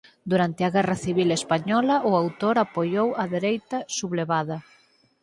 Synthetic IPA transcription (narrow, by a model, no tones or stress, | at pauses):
d̪uɾant̪ɪɐɣɛrɐθiβ̞ilespaɲɔlɐʔʊawt̪oɾapojowɐðeɾejt̪ɐsuβleβaðɐ